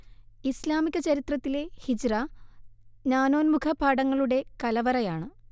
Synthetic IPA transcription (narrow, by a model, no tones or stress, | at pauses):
islaːmikʲːɐt͡ɕɐɾit̪rɐt̪ːile̞hid͡ʑra | naːno̞ːnmukʰɐbʱaːɽɐŋːɐɭuɽe̞kɐlɐʋɐrɐjaːɳɨ